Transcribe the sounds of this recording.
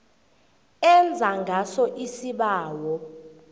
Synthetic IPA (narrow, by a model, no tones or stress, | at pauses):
ɛnd͡zʱaŋɡʱasɔʔisiɓaːwɔ